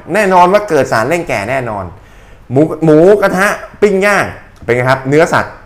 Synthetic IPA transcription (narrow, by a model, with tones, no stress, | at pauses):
nɛː˥˩nɔː˧nwaː˥˩kɤː˨˩t̪̚saː˩˦nle˥˩ŋkɛː˨˩nɛː˥˩nɔː˧n | muː˨˦muː˩˦ka˧t̪ʰa˦˥ʔpi˥˩ŋjaː˥˩ŋ˩ | pe˧kːkʰa˦˥p̚nɯ˦˥ɐsa̰˨˩t̪̚